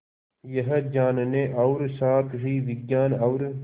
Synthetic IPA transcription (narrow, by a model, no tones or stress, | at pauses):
jɐɦɐd͡ʑaːnɐneʔɐwɾsaːt̪ɦiːʋiɡɡaːnɐwɾ